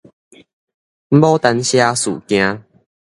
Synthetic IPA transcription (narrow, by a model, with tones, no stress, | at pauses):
m̩˦bɔ˦t̪a˧nɕja˦sṵ˨˩kj̃ã˧